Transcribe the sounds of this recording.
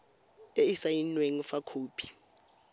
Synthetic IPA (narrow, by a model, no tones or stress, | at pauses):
eisajinweŋ̩fakʰuːpʰi̥